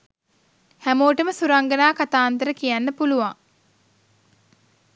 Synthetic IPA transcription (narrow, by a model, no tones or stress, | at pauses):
hæmoːʈəməsuɾaŋɡənaːkat̪aːnt̪əɾəkijænːəpuluʋaŋ